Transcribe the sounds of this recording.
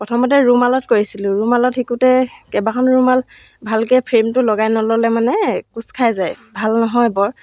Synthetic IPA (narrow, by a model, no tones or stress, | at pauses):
pɹɔtʰɔmɔt̬ɛɹumalɔtkoɹisilʊ̃ɹumalɔtxikutɛkɛbakʰɔnɹumal | bʱalkɛpʰɹemtʊlɔɡajnɔlɔlɛmanɛkuskʰajzajbʱalnɔɦɔjbɔɹ